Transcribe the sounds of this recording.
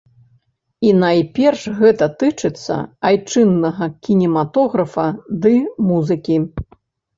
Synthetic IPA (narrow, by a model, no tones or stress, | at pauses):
inajpʲɛrʂɣɛt̪ɐt̪ɨt͡ʂɨt̪sːɐ̰ajt͡ʂɨnːɐɣɐkʲinʲɛmat̪ɔɣɾɐfɐd̪ɨmuzɨkʲi